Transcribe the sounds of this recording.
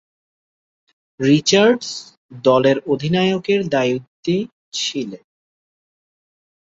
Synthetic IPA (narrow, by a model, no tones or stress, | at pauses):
ɾit͡ɕaɾɖs | d̪ɔleɾod̪ʱinaeokeɾd̪ajut̪ːi | t͡ɕʰile